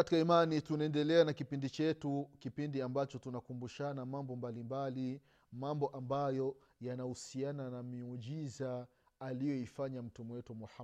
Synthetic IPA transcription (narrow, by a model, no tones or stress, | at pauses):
ati̥kaimanitunaɛndɛlɛanakipindit͡ʃɛtukipindiambat͡ʃɔtunakumbuʃanamambɔmbalimbali | mambɔʔambajɔ | janahusiananamiɔʄizaː | lijɔifaɲam̩tumwɛtumɔha